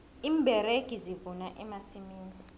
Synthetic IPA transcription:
iːmbʱɛɾeɡ̥ʱizivunaʔɛmasimiːni

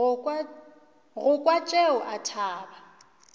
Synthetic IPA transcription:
ɣʊkʼwat͡ʃʼeʊʔatʰaːba

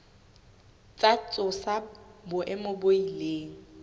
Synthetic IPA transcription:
t͡sʼat͡sʼʊsabʊʔɪmʊboileːŋ̩

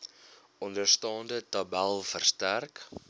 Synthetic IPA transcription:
ʔɔndərstɑːndətɐbælˠfərstærk

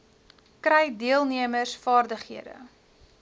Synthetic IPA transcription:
kɾɛjdiəlˠniəmərsfɑːrdəχɦiədə̰

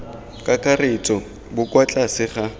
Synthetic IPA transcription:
kʼakʼaret͡sʼɔ | bʊkwat͡ɬʼasɪχa

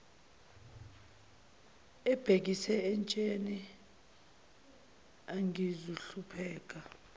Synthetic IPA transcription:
ɛb̥ʱek̬isɛɛnt͡ʃʼeni | aŋʱizuɬupʰɛːk̬ʼa

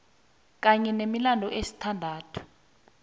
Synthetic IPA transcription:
k̬aɲɛnemilandʱɔʔesi̥tʰandʱaːtʰu̥

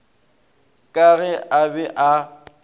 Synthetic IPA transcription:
kʼaɣɛʔabɛʔa

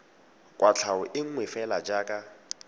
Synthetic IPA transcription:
kʼwat͡ɬʰaʊʔɪŋ̩ŋwɪfɛlad͡ʒaːkʼa

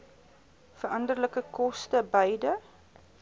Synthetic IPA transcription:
fəɾɐndərləkəkɔstəbəjdə

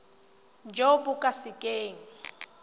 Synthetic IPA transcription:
d͡ʒobʊkʼasɪkʼeːŋ̩

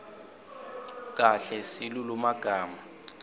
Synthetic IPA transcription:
k̬ʼaɬɛsilulumaɡ̥ʱaːma

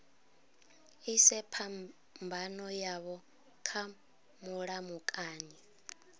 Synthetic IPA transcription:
isɛpʰa | mbʱanɔjaβɔ | kʰa | muɺamukʼaːni

